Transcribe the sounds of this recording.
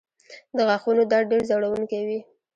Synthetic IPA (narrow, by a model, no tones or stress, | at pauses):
d̪əɣaxunod̪ɑɽɖeɾzaɽawuŋkewi